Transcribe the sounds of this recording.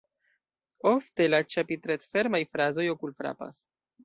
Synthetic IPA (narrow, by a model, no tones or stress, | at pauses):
o̞fte̞lat͡ʃapitɾetfe̞ɾmajfɾazo̞jokulfɾa̰pa̰s